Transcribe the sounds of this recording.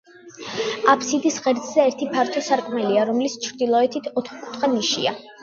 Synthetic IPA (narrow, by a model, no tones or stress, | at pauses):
apʰsid̪isʁɛɾsʼzɛɛɾt̪ʰipʰaɾt̪ʰɔsaɾkʼmɛliaɾɔmlist͡ʃʰɾd̪ilˠɔɛt̪ʰit̪ʰɔt̪χkʼu̥t̪ʰχaniʃḭa̰